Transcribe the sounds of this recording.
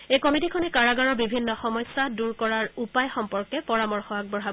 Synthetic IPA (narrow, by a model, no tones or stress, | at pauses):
ejkɔmitikʰɔnɛkaɹaɡaɹɔɹbibʱinːɔxɔmɔjsːaduɹkɔɹaɹupajxɔmpɔɹkɛpɔɹamɔɹxɔɦak̚bɔɹɦab